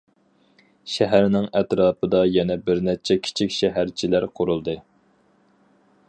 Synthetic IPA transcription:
ʃɛɦæɾnɪŋɛt̪ɾɑːpɨd̪ɑjɛnɛbɪɾnɛt͡ʃʰɛkʲʰi̥t͡ʃʰikʲʃɛɦæɾt͡ʃʰilæɾqʰʊɾulˠd̪ɨ

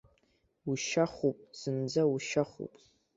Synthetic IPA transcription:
uʃaχupʼsɨnd͡zauʃaχṵpʼ

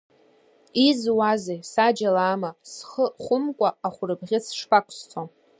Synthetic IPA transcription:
izwazejsad͡ʒalaːmasχəχʷʊmkʷʼaːχʷʊrɨbʁʲɪsʂpʰakʷʰʼst͡sʰo

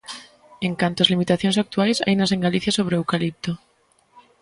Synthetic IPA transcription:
eŋkant̪oazlimit̪aθjonsak̚t̪uajsa̰jnas̬eŋɡaliθjasoβ̞ɾeewkalip̚t̪o

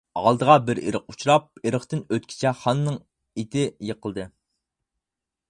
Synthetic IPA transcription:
ɑ̰lˠd̪əʁɑbɪɾḛɾəqut͡ʃʰuɾɑp̚eɾəχt̪ɨnøt̪kʲʰi̥t͡ʃʰɛχɑnːɨŋ | et̪ʰɪjeqʰəlˠd̪ɨ

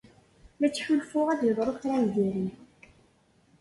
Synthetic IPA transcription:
mæt͡sːħulfʊʁæðjəðˤɾˤokθɾænd̪iɾi

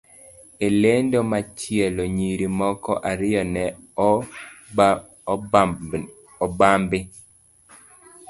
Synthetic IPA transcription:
elendomat͡ʃjeloɲiɾimɔkɔʔaɾɪjɔnɛ | ɔbambɪ

